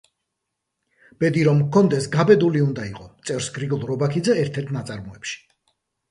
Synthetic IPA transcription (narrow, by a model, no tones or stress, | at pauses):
b̥ɛd̪iɾɔmkʰɔnd̪ɛsɡabɛd̪uliund̪aiqʼɔt̪sʼɛvɾsɡɾiɡɔlˠɾɔbakʰid̪zɛːɾt̪ʰɛɾt̪ʰnat̪sʼaɾmɔɛpʃi̥